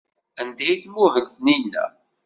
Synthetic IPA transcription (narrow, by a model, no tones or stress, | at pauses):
ænd̪æjθmʊɦəɡθninːæ̰